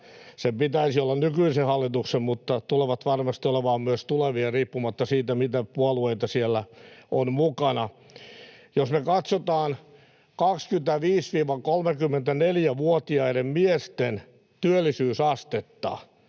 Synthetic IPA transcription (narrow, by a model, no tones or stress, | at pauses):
sempit̪æisiolːɑnnykyisehɑlːit̪uksemmut̪ːɑt̪uleʋɑt̪ʋɑrmɑst̪ioleʋɑːmmyøst̪uleʋiɑriːpːumɑt̪ːɑsiːt̪æmit̪æpuolueit̪ɑsielːæonmukɑnɑ | josmekɑt̪sot̪ɑːn | kɑkskyt̪æʋiːsʋiːʋɑkolmekymːent̪æneljæʋuot̪iɑiɾemmiest̪en | t̪yølːisyːsɑst̪et̪ːɑ̰